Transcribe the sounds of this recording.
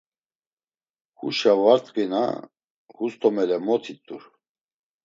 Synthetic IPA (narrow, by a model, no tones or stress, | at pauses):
hṵʃavaɾt̪ʼqʼina̰ | hust̪ʰʼɔmɛlɛmɔt̪ʰit̪ʼuɾ